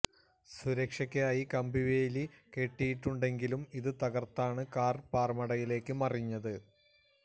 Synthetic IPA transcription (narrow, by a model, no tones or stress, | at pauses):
suɾɐkʂɐkʲːaːjikɐmbiʋeːlike̞ʈːijiʈːuɳɖe̞ŋɡilumiðɨt̪ɐɣɐrt̪ːaːɳɨkaːrpaːrmɐɽɐjile̞ːkːɨmɐriɲːɐðɨ